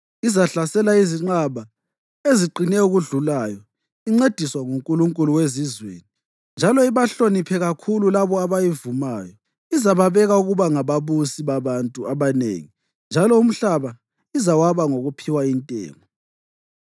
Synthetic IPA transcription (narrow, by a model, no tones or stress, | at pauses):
izaɬasɛlaiziŋ͡ǃaβa | eziǃʱinɛuɣuɮulaːjɔ | iŋ͡ǀed̥ʱiswaŋuŋkʼuluŋkʼuluwezizwḛːni | nd͡ʒʱalɔiβaɬonipʰɛɣakʰululaβɔaβajivumaːjɔ | izaβaβɛɣauɣuβaŋaβaβusiβaβantʼuaβanḛːŋi | nd͡ʒʱalɔum̩ɬaβa | izawaβaŋoɣupʰiwaintʼɛ̰ːŋɔ